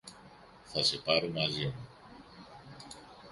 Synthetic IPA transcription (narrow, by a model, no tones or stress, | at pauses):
θɐse̞pɐɾomɐzimu